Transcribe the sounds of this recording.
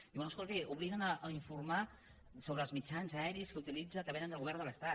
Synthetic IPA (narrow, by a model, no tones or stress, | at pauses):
d̪iwnoəskolˠt̪iuβliɣənəʔːiɱfuɾma | soβɾəːlˠzmit͡ʃanzəɛɾiskəut̪ilid͡zək̪əpɛnənd̪əlˠɣuβɛrnd̪ələst̪at̪